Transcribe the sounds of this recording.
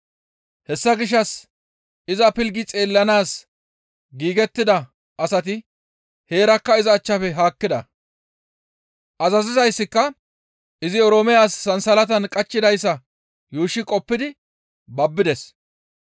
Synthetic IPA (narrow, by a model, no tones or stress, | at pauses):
hɛsːɐɡɪʃ̬ːɐs | ɪzɐpɪlɡɪt͡sʼe̞ːlːɐnaːs | ɡiːɡɛt̪ːɪd̪ɐ | ʔɐsɐt̪̬ɪ | he̞ːɾɐkːɐɪzɐːt͡ʃːɐfɛɦaːkːɪd̪ɐ̰ | ʔɐzɐzɪzɐjsːɪkːɐ | ɪzɪɔɾoːmɛjaːsːɐnsɐlɐt̪ɐnkʼɐt͡ʃːɪd̪ɐjsːɐ | juːʃːɪkʼɔpːɪd̪ɪ | bɐbːɪd̪ɛs